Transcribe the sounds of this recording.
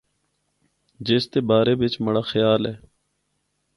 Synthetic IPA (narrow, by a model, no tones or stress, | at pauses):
d͡ʒeːst̪eːbaːɾeːbɪt͡ʃməɽaːxəjaːlɛː